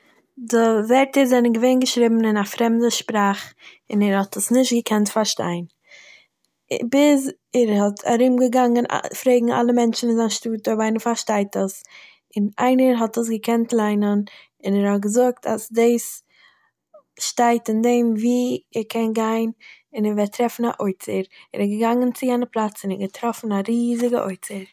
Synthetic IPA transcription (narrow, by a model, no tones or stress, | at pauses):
dɪvɛɾtəɾzɛnəɡəveɪnɡəʃɾɪbm̩ɪnafɾɛmdəʃpɾaːχ | ɪnɛɾhɔtʰəsnɪʃtɡəkʰɛntfaɾʃta̰ɪn | bɪz | ɛɾhɔtʰa̰ɾɪmɡəɡaŋən̰fɾeɪɡŋ̩a̰lˠəmɛnt͡ʃn̩ɪnzaɪnʃtuːtɔvaɪnənfaɾʃtaɪtəs | ɪna̰ɪnəɾɦɔtəs̬ɡəkʰɛntlˠaɪnən | ɪnɛɾhɔt̚ɡəzʊk̚tʰa̰sdeɪs | ʃtaɪtɪndeɪmviːɛɾkʰɛnɡaɪn | ɪnɛɾvɛɾtɾɛfn̩a̰ʔoɪt͡səɾɛɾɛɡəɡaŋənt͡sɪjɛnəplˠat͡sɪnɛɡətɾɔfn̩aɾiːzɪɡə̰ʔo̰ɪt͡səɾ